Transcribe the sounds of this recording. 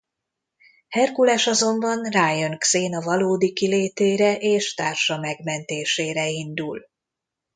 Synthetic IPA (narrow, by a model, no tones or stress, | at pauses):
hɛrkulɛʃɒzo̞mbɒnraːjøŋkseːnɒvɒloːd̪ikileːt̪eːɾɛʔeːʃt̪aːrʃɒmɛɡmɛnt̪eːʃeːɾɛind̪ul